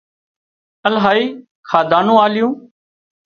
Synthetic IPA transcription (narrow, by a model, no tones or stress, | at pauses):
əlɦaːiː | kʰaːd̪aːnũːaːlɪjõː